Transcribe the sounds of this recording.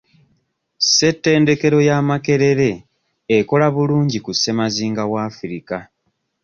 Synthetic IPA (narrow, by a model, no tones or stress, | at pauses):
se̞tːe̞ːnde̞ke̞ɾo̞jaːmake̞ɾe̞ɾe̞ː | ko̞laβuluːɲɟikuse̞maziːŋɡawaːfuɾika